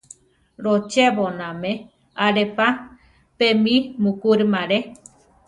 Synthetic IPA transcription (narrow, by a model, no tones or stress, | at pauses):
ɾot͡ʃeβonãmẽ | aɾepa | pẽmĩmukuɾmãɾe